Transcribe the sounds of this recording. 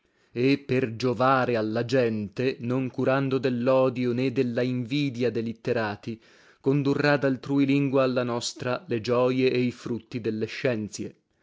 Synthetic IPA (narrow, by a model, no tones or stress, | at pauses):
epːerd͡ʒovaːɾealːad͡ʒɛnt̪enoŋkuɾand̪od̪elːɔːd̪joned̪elːaiɱviːd̪jad̪elit̪ːeɾaːt̪i | kond̪urːad̪alt̪ɾuːjliŋɡwaːlːanɔst̪ɾaled͡ʒɔːjeʔːifɾut̪ːid̪elːeʃːɛnt̪sje